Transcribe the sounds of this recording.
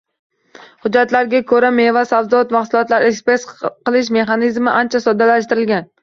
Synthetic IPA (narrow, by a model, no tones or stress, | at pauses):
hʊd͡ʒːat̪laɾɡʲakʰɵɾame̞vasavd̪ɒt̪maχsʊlˠɒt̪laɾekspɾesqɨlˠɪʃ̬me̞χanɪzmɪʔant͡ʃʰasɒd̪alaʃ̬t̪ɪɾɪlɡʲan